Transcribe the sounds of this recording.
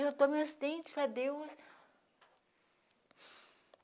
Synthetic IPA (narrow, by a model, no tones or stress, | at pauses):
ewt̪õmiɐsid̪ẽt͡ʃɪ̥pɾɐd̪ews